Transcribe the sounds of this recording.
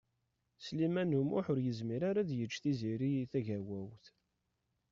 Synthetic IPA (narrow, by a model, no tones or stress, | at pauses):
slimænumʊ̰ħʊɾjəzmiɾaɾaðjət͡ʃːθiziɾiθæʝæwæwθ